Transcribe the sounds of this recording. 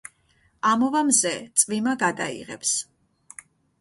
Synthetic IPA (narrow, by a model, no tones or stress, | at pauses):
amɔvamzɛt̪sʼvimaɡad̪a̰ḭʁɛ̰ps